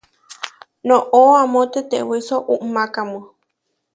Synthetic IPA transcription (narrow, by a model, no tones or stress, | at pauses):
nõʔoamõt̪et̪ewisoʔuʔmãkamɨ̃